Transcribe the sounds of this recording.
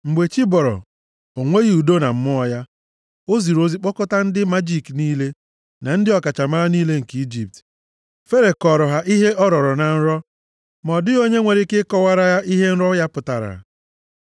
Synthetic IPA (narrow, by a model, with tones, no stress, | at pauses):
ŋ͡m̩˨ɡ͡be˨t͡ʃi˦bɔ˨ɾɔ̰˨ | o˨ŋʷe˦ɣi˨u˨do˦na˨m̩˦mʊ˦ɔ˦ja˦ | o˦zi˨ɾo˦zi˦k͡pɔ˦kʊ˦ta˦n̩˦dɪ˦ma˦d͡ʒi˦kniː˦le˦ | na˨n̩˦dɪ˦ɔ˨ka˨t͡ʃa˨ma˦ɾa˦niː˦le˦ŋ̩˨ki˦d͡ʒi˨p̚t | fe˦ɾe˨kɔ˨ɾɔ˨ɦa˨ʔi˦ɦe˦ʔɔ˦ɾɔ˨ɾɔ˨na˨n̩˦ɾɔ˦ | mɔ˨dɪ˦o˦ɲe˦ŋʷe˨ɾɪ˦kɪ˦kɔ˦wa˦ɾa˦ja˦ʔi˦ɦe˦n̩˦ɾɔ˦ja˦pʊ˨ta˨ɾa̰˨